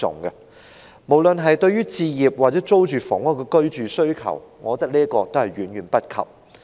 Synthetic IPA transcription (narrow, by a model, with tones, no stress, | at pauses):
ʊ̰˨ŋɡɛ˧ | mo˨˩wlɵ˨nɦɐ˨jt̪ɵ˧ɥɥyː˥t͡siː˧jiː˨p̚waː˨t̚t͡sɛ˨˥t͡so˥wt͡ʃyː˨fɔ˨˩ŋwɔ˥kɛ˧kɵ˥ɥt͡ʃyː˨sɵ˥ɥkʰɐ̰˨˩wŋɔː˨˧t̪ɐ˥k̚liː˥ɐkɔː˧t̪o˥whɐ˨jɥyː˨˥nɥyː˨˩npɐ˥t̚kʰɐ̰˨˩p̚